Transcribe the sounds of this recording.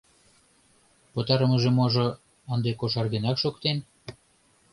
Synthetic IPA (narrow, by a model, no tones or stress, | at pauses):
pŏt̪ɑɾə̆mə̆ʒemoʒo | ənd̪ekoʃɑrɣenɑkʃokt̪en